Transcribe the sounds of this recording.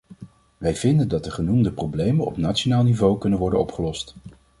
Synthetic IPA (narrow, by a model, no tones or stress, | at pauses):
ʋɛjvɪndəndɑt̚dəχənumdəprowblejmənɔ̰pnaːtt͡ʃonaːlˠnivowkɵnənʋɔɹdənɔpχəlɔst